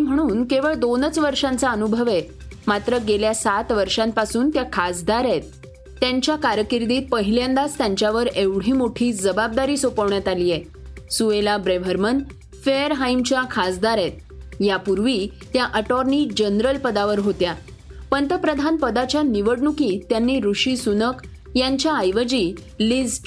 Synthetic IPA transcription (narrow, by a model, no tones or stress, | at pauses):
im̤əɽ̃uːnkeʋəɭd̪onət͡sʋəɾʂãnt͡saənubʱəʋemat̪ɾəɡeljasat̪ʋəɾʂãmpasuːnt̪jakʰasd̪aɾet̪̚ː | jaɲt͡ɕjakaɾkiɾd̪iːt̪̚pəɦiljand̪ast̪jaɲt͡ɕjaʋəɾeʋɽ̤iːmoʈʰiːd͡zəbab̚d̪aɾiːsopəʋɳjat̪aliːje | suʋelabɾeʋʱəɾmən | feəɾɦaimt͡ɕjakʰasd̪aɾɛt̪̚ | japuɾʋiː | t̪jaʔəʈɔɾniːd͡ʑənɾəlpəd̪aʋəɾɦot̪ja | pəɳt̪əpɾəd̪ʱanpəd̪at͡ɕjaniʋəɽɳukit̪janːiːɾuʂiːsunək | jaɲt͡ɕjaːjʋəd͡ʑiː | lid͡z